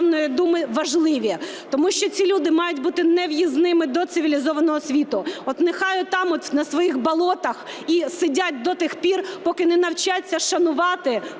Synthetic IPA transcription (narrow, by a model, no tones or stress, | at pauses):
mnɔjid̪umɪʋɐʒlˠɪʋʲi | t̪ɔmuʃt͡ʃɔt͡sʲilʲud̪ɪmɑjʊtʲbut̪ɪnɛwjiznɪmɪd̪ɔt̪sɪʋʲilʲizɔʋɐnɔɦɔsʲʋʲit̪ʊɔt̪nɪxɑjʊt̪ɑmɔt̪ʲnɐsʋɔjixbɐlˠɔt̪ɐx | isɪdʲat̚ʲd̪ɔt̪ɪxpʲirpɔkɪnɛnɐwt͡ʃat͡sʲːɐʃɐnʊʋɑt̪ɪ